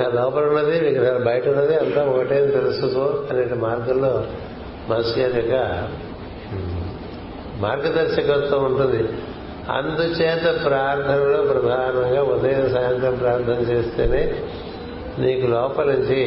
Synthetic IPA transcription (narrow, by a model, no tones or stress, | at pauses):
alɔːpɐlunːɐd̪iʋiɡɾaːlɐbɐjɐʈɐunːɐd̪iɐnt̪aːɔkɐʈeːnɐt̪eɾusut̪oɐneːʈimaːɾɡɐlːoː | mɐsjɐɾɐkːɐ | maːɾɡɐd̪ɐɾʃɐkɐt̪ːouɳʈund̪i | ɐ̰nd̪ut͡ʃɛːt̪ɐpɾaːɾt̪ʰɐnɐloːpɾɐd̪ʱaːnɐŋɡaːud̪ɐjɐnɐsɐːɦɐnt̪ɾɐmpɾaːɾɐnt̪ʰɐnɐt͡ʃeːst̪eːneː | niːkulɔːpɐluɲt͡ʃi